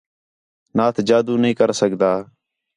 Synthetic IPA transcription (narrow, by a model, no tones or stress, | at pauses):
naːt̪ʰd͡ʒaːd̪uːnəĩːkəɾsəkd̪aː